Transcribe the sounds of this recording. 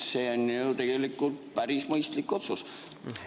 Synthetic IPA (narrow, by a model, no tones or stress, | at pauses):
seːonːut̪e̞ɡ̥e̞likːˑult̪pæɾismɤjst̪likːˑo̞t̪sus